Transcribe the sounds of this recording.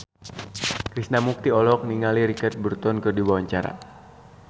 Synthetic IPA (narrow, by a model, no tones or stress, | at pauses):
kɾisnamuk̚t̪iɔlɔk̚niŋaliɾikat̪̚bərt̪ɔnkɨrdibawaɲt͡ʃaɾa̰